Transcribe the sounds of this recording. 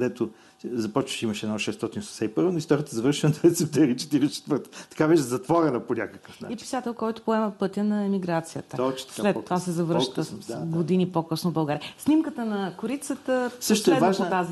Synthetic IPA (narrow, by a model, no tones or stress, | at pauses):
kd̪ɛt̪o | zɐpɔt͡ʃvəʃimɐʃɛnɔʃɛst̪ɔt̪inossɛipɤɾvonʊist̪ɔɾiət̪əzɐvəɾʃiənɐɾɛt̪sɛp̚t̪ɛɾit͡ʃɛ̥t̪iɾɛt͡ʃɛ̥t̪vəɾt̪ə̥t̪ɐ̥kabɛʃzɐt̪vɔɾɛnɐponʲakəkəfna̰ipi̥sat̪ɛlˠkɔjt̪ʊ̥poɛməpɤt̪ʲjənɐɛmiɡɾat̪sijət̪əot͡ʃt̪slɛt̪ːovasɛzɐvɾʃt̪əɡod̪inipokɤsnovbɐlˠɡaɾijsnʲimkət̪ənɐkʊɾit̪sət̪əsəʃt̪oɛɛvaʒpot̪azi